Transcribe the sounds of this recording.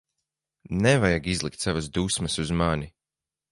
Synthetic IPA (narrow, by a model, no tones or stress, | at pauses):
nɛvajaɡizlˠik̚t̪savasd̪usmɐsuzmani